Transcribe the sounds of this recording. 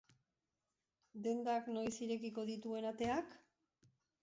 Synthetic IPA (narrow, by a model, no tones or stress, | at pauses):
d̪e̞nd̪aknojsiɾe̞kiko̞ðit̪ue̞nat̪e̞ak